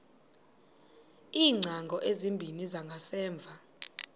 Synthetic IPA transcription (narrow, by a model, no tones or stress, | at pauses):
iːŋ͡ǀʱaŋɡʱɔʔezimbʱinizaŋɡʱasɛːɱb̪vʱa